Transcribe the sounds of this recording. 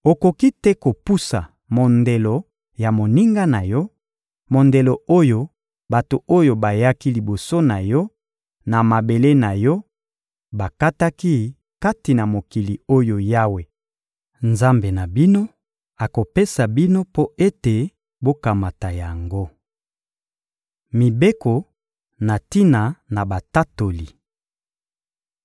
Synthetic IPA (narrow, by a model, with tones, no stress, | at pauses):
o˨ko˨ki˦tɛ˦ko˨pu˦sa˨ | mo˨nde˨lo˨ | ja˨mo˨ni˦ŋɡa˦na˨jɔ˦ | mo˨nde˨lo˨o˦jo˦ | ba˨to˨o˦jo˨ba˨ja˦ki˦li˨bo˨so˦na˨jɔ˦ | na˨ma˨be˨le˦na˨jɔ˦ | ba˨ka˦ta˦ki˦ | ka˦ti˨na˨mo˨ki˨li˨o˦jo˨ja˦we˨ | nza˦mbe˨na˨bi˦no˦ | a˨ko˨pe˦sa˨bi˦no˦po˦ʔe˦te˨ | bo˦ka˨ma˨ta˨ja˨ŋɡo˦ | mi˨be˦ko˨ | na˨ti˦na˨na˨ba˨ta˦to˨li˨